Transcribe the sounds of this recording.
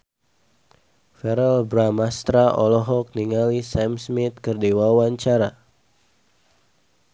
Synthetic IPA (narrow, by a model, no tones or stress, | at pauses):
fɛɾɛlbɾamast̪ɾaʔɔlɔɦɔk̚niŋalisɛmsmit̪̚kərdiwawaɲt͡ʃaɾa